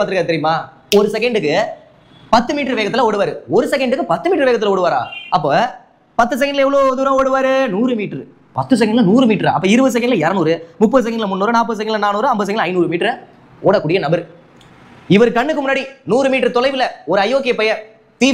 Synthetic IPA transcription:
paːt̪ɪɯkaːt̪ɛɾɪjɯmaː | ɔɾɯsɛkɐɳɖɯkːɯ | pɐt̪ːɯmiːʈɾɯʋeːɣɐt̪ːɪlɐoːɽɯʋaːɾɯɔɾɯsɛkɐɳɖɯkːɯpɐt̪ːɯmiːʈrɾɯʋeːɣɐt̪ːɪlɐoːɽɯʋaːɾã̰ːɐpːoː | pɐt̪ːɯs̬ɛkɐɳɖɪlɛʋɐɭoːɔðɯɾõːoːɽɯʋaːɾɯnuːɾɯmiːʈrɯ | pɐt̪ːɯs̬ɛkɐɳɖɪlɐnuːɾɯmiːʈɾ̰ʔɐpːɐːɪɾɯʋɐðɯs̬ɛkɐɳɖɪlɐɛɾɐnuːɾɯmʊpːɐðɯsɛkɐɳɖɪlmʊnːoːɾɯnaːpːɐðɯsɛkːɐɳɖɪlɐnaːnuːɾɯɐmbɐðɯsɛkɐɖlɐɪnuːɾɯmiːʈrɾ | oːɽɐkːuːɽɪjɐnɐbɐɾ | ɪʋɐɾɯkɐɳːɯkːɯmʊnːaːɽinuːɾɯmiːʈɾɯt̪ɔlɐɪʋɪlɐɔɾɯɐɪjoːk̬eːpɛjɐɾ | t̪iː

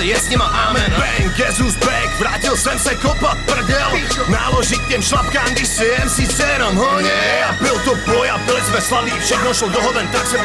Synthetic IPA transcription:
ɛjɛsɲimaʔamɛnbɛŋɡɛzusbɛkvɾaːcilsɛmsɛkopat̪pr̩dɛlna̰ːloʒikcɛmʃlap̚kaːmɡd̪ɪʃsɛɛmsit͡sɛɾɔmɦɔɲɛabɪlt̪opɔjaplɛzvɛslabiːfʃɛknɔʃlɔd̪ɔɦɔvɛnt̪asɛ

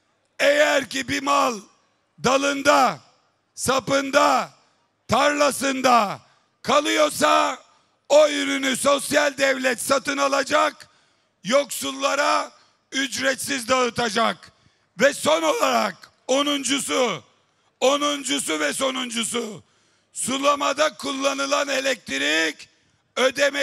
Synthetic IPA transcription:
ejæɾcibimalˠ | d̪alˠɯnd̪a | sapɯnd̪a | t̪ʰaɾlˠasɯnd̪a | kʰalˠɯjo̞ɾsa | oyɾynyso̞sjalʲd̪ɛvlʲɛt̪sat̪ɯnalˠad͡ʒak | jo̞ksulˠːaɾa | yd͡ʒɾɛt̪sizd̪aɯt̪ʰad͡ʒak | vɛso̞no̞lˠaɾak | onund͡ʒusu | onund͡ʒusuvɛso̞nund͡ʒusu | sulˠamad̪akʰulˠːanɯlˠanelʲɛk̚t̪ʰiɾik | ød̪ɛmɛ

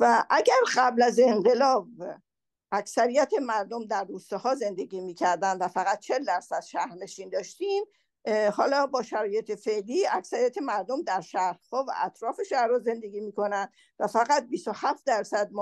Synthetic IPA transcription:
væʔæɟæɾɢæblæze̞ɴɢe̞lɒːb | ʔæksæɾijæt̪ʰe̞mæɾd̪omd̪æɾːuːst̪ɒhɒːze̞nd̪e̞ɡiːmiːcʰæɾd̪ænd̪væfæɣæt̪̚t͡ʃʰe̞lːæɾsæd̪̥ʃæhɾne̞ʃind̪ɒːʃt̪im | hɒːlɒbɒːʃæɾɒːjet̪ʰe̞fe̞ʔliːæksæɾijæt̪ʰe̞mæɾd̪omd̪æɾʃæhɾhɒːvæ̰ʔæt̪ʰɾɒːfe̞ʃæhɾhɒːze̞nd̪e̞ɡʲiːmiːko̞nænd̪̥ | væfæɣæt̪̚bisohæft̪̚d̪æɾsæd̪̚m

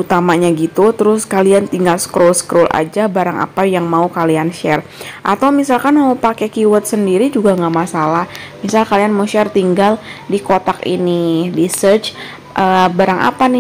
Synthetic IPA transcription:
ut̪amaɲaɡit̪ut̪əɾʊskaliant̪iŋɡalsə̥kɾolskɾolʔa̰d͡ʒabaɾaŋa̰pajaŋmaukalianʃɛrʔa̰t̪awmisalkanmaupakɛkiwət̪̚səndiɾid͡ʒuɡaŋɡaʔmasalah | misalkalianmuʃɛrt̪iŋɡal | dikot̪akḭnidisərt͡ʃ | ʔəbaɾaŋʔa̰panɪ

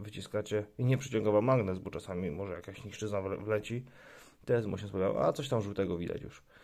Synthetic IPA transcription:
vɘt͡ɕiskat͡ɕɛiɲɛpʂɘt͡ɕɔ̃ŋɡavamːaɡnɛzbɔt͡ʂasamʲimɔʐɛjakaɕɲiʂt͡ʂɘznav̰vlɛt͡ɕi | t̪ɛsmṵɕɛspavʲaa̰ʔa̰t̪ɔɕt̪amʐuwt̪ɛɡɔvʲid̪a̰t͡ɕjṵʂ

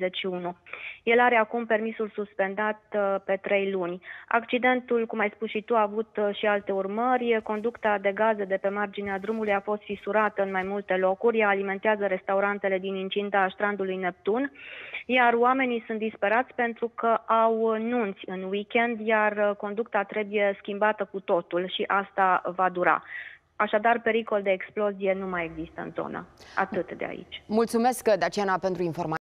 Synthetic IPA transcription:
zeʃiunuje̞laɾe̞akumpe̞rmisulsuspe̞nd̪at̪̚pe̞t̪ɾe̞jlunʲa̰kt͡ʃid̪e̞nt̪ulkumajspunʃit̪uaːvut̪ʃialt̪e̞urmərʲko̞nd̪ukt̪ad̪e̞ɡazed̪e̞pe̞mard͡ʒinead̪ɾumulujafo̞st̪fisuɾat̪əɨnmajmult̪e̞lo̞kuɾʲjaːlime̞nt̪eazəɾe̞st̪auɾant̪e̞le̞d̪inint͡ʃind̪aːʃt̪ɾand̪ulujne̞p̚t̪unjaroame̞nisunt̪̚d̪ispe̞ɾat̪sʲpe̞nt̪ɾukəʔawnunt̪sʲɨnwikʲe̞nd̪jarko̞nd̪uk̚t̪at̪ɾe̞buje̞skʲimbat̪əkut̪o̞t̪ulʃiʔast̪avad̪uɾa̰ | aʃad̪arpe̞ɾiko̞ld̪e̞ːksplo̞zije̞numaje̞ɡzist̪əɨ̰nzo̞̰nə̰a̰t̪ɨt̪d̪ḛa̰ḭt͡ʃʲmult̪sume̞skd̪at͡ʃianapent̪ɾuinfo̞rma

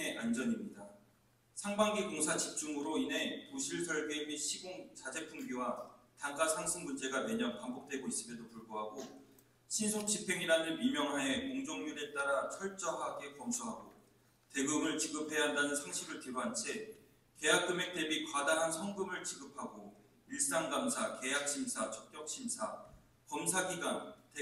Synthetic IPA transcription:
eʔand͡ʑʌɲimɲida | sʰaŋbaŋɡikoŋsʰat͡ɕip̚t͡ɕ͈uŋɯɾoine̞toɕʰiɭsʰʌɭɡemiɕʰiɡoŋt͡ɕad͡ʑe̞pʰuŋɡiwataŋk͈asʰaŋsʰɯŋmund͡ʑe̞ɡawe̞ɲʌnpambok̚t͈we̞ɡois͈ɯmedopuɭɡoɦaɡo | ɕʰinsʰok̚t͡ɕ͈ipʰe̞ŋiɾanɯɭmimjʌŋɦae̞koŋd͡ʑoŋɲuɾe̞t͈aɾat͡ɕʰʌɭt͡ɕ͈ʌɦaɡe̞kʌmsʰuɦaɡo | te̞ɡɯmɯɭt͡ɕiɡɯpʰe̞aɦandanɯnsʰaŋɕʰibɯɭtɯɾoɦant͡ɕʰe | ke̞jak̚k͈ɯme̞k̚t͈e̞bikwadaɦansʰʌŋɡɯmɯɭt͡ɕiɡɯpʰaɡo | iɭs͈aŋɡamsʰake̞jak̚ɕ͈ʰimsʰat͡ɕʌk̚k͈jʌk̚ɕ͈ʰimsʰa | pʌmsʰaɡiɡante

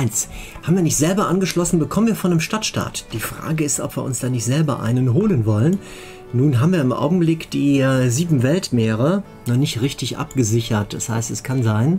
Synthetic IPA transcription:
ʔaɪns | haːbmviːɐnɪçtz̥ɛlbɐʔanɡəʃlɔsn̩bəkʰɔmənviːɐfɔndəmʃtatʃta̰ːtd̥iːfʁ̥a̰ːɡəɪstʔɔ̰pv̥iːɐʊ̰nsd̥aːnɪçtz̥ɛlbɐʔa̰ɪnənɦoːlənvɔlən | nuːnɦaːbm̩viːɐɪmʔa̰ʊɡŋ̩blɪkd̥iːziːbm̩vɛltmeːʁ̞ə | nɔχnɪçtʁɪçtɪçʔa̰pɡ̥əzɪçɐt̚d̥ashaɪstɛskʰanzaɪn

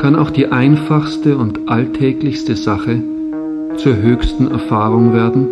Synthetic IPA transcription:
kʰanaʊxd̥iːʔaɪnfaχstəʊntʔaltʰɛːklɪçstəzaχə | t͡suːɐɦøːçstn̩ɛ̰ɐfaːʁʊŋveːɐdn̩

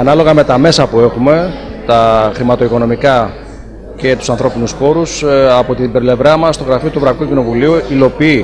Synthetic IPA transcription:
ɐnɐlo̞ɣɐme̞t̪ɐme̞sɐpue̞xume̞t̪ɐxɾimɐt̪o̞iko̞no̞mikɐ | ce̞t̪u̥sɐnθɾo̞pinuspo̞ɾusɐpo̞t̪ibɾple̞vɾɐmɐst̪o̞ɣɾɐfio̞t̪uvɾɐikucino̞vuliuilo̞pii

